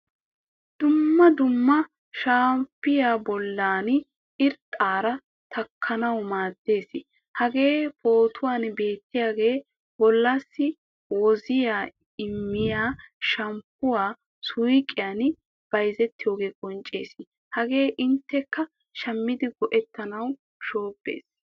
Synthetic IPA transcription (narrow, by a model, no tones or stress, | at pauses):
d̪̥ʊmːɐd̪ʊmːɐ | ʃaːmpːɪjaːbɔlːaːn | ɪɾt̪ʼːaːɾɐ | t̪ʰɐkʰːɐnɐwmaːd̪ːe̞ːsɪ | hɐɡe̞ːpʰo̞ːt̪ʰʊwaːnbe̞ːt̪ːɪjaːɡe̞ː | bɔlːaːsːɪ | wɔzɪjaː | ɪmːɪjaːʃɐmpːʊwaː | sʊjkʼːɪjaːn | b̥ɐjzɛt̪ːɪjo̞ːɡe̞ːkʼɔnt͡ʃʼːe̞̰ːsɪ | hɐɡe̞ːʔɪnt̪ːɛkːɐ | ʃɐmːɪd̪ɪɡɔʔɛt̪ːɐnɐw | ʃo̞ːpːe̞̰ːs